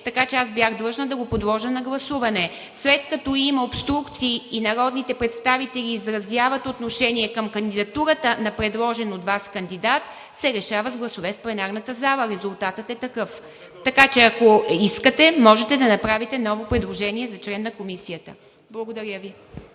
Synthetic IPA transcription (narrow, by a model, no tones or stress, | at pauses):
t̪ɐkat͡ʃɛasbʲjaɣd̪lˠɤʒnəd̪ɐɡopod̪lˠɔʒənɐɡlˠɐsuvɐnɛ | slɛt̪kɐt̪ɔimɐopst̪ɾukt̪siːnɐɾɔd̪nit̪ɛpɾɛt̪st̪avit̪ɛlʲiːzɾɐzjavət̪ot̪noʃɛniɛkəmkənd̪id̪ɐt̪uɾət̪ənɐpɾɛd̪lˠɔʒɛnod̪vaskənd̪id̪at̪ | sɛɾɛʃavəzɡlˠɐsovɛfplˠɛnaɾnət̪əzalˠəɾɛzʊlˠt̪at̪ət̪ɛt̪ɐkɤf | t̪ɐkat͡ʃɛɐkoiskət̪ɛmɔʒɛt̪ɛd̪ɐnɐpɾavit̪ɛnɔvopɾɛd̪lˠoʒɛniɛzɐt͡ʃlɛnːɐkomisijət̪ə | blˠəɡod̪ɐɾʲjəvi